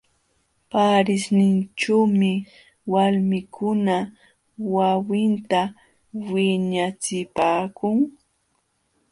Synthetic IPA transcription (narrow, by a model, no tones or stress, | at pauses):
paɾɪsnɪnt͡ʃuːmɪ | walmɪkʰʊna | wawɪnt̪a | wɪɲat͡sɪpaːkʊŋ